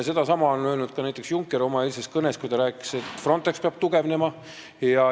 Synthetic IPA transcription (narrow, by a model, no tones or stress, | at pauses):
se̞d̪̥ɑsɑmɑonøːlnud̪̥̚kɑnæjt̪eksjuŋkːˑeɾo̞mɑe̞ːlse̞skɤne̞skujt̪ɑɾæːkːˑi̥se̞t̪ːˑfro̞nt̪ˑe̞kspeɑb̥̚t̪uɡ̥e̞vne̞mɑ | jɑ